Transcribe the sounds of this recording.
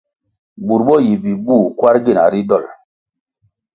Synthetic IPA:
bu˨ɾbɔ˦ji˨bi˨bu˦˨kwa˦ɾɡe˦na̰˨ɾi˦dɔ˦˨l

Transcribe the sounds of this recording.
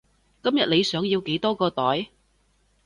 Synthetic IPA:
kɐ˥mjɐ˨t̚le˨˧jsœː˨˥ŋjiː˧wke˨˥jt̪ɔː˥kɔː˧t̪ɔː˨˥j

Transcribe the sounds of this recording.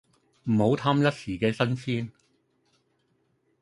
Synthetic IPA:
m̩˨˩ho˨˧wt̪ʰaː˥mjɐ˥t̚siː˨˩kɛː˧sɐ˥nsiː˥n

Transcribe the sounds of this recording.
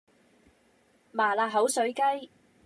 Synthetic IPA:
maː˨˩laː˧ɦɐ˨˥wsɵ˨˥ɥkɐ˥j

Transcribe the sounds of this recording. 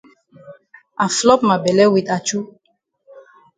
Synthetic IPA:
a˨flɔ˦p̚ma˨bɛ˨lɛ˦wi˨d̪a˨t͡ʃu˦

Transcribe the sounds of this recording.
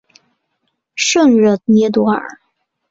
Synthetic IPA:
ʂɤ˥˧ŋɻɤ˥˩njɛ˧˥t̪̬wɔ˧˥ə̰˞˨˩˦

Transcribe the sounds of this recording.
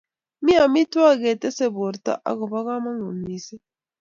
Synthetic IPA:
mi˦a˨mi˦twa˦ɡe˨t̪e˦se˨βo˨ɾta̰˦ʔa̰˨ɡo˨βa˦ɣa˦ma˦ŋu˨nːi˨se˦

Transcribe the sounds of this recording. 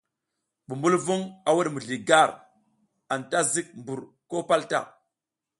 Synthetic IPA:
bu˨mbu˦lvu˦ŋa˨wu˦ɗmu˨ɮi˨ɡa˦˨ɾ | a˨nta˦zi˦k̚mbu˨ɾ | ko˦pa˦lta̰˦˨

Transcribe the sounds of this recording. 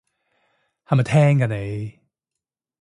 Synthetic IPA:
ha˨˧ma˨˩t̪ʰɛː˥ŋkaː˧˩ne˨˧j

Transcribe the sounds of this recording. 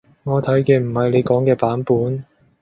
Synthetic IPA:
ŋɔː˨˧t̪ʰɐ˨˥jkeː˧m̩˨˩hɐ˨jle˨˧jkɔː˨˥ŋkɛː˧paː˨˥npuː˨˥n

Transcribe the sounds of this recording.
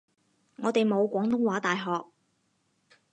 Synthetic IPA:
ŋɔː˨˧t̪e˨jmo˨˧wkʷɔː˨˥ŋt̪ʊ˥ŋwaː˨˥t̪aː˨jɦɔː˨k̚

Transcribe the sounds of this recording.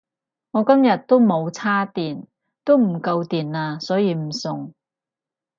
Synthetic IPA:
ŋɔː˨˧kɐ˥mjɐ˨t̚t̪ːo˥wmo˨˧wt͡sʰaː˥t̪iː˨˩n | t̪o˥wm̩˨˩kɐ˧wt̪iː˨˩naː˧sɔː˨˥jiː˨˧m̩˨˩sʊ˨ŋ

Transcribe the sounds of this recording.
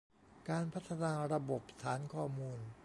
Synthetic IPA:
kaː˧npʰa˦˥t̪ʰːa˧naː˧ɾa˧bo˨˩p̚t̪ʰaː˩˦nkʰɔː˧˩muː˧n

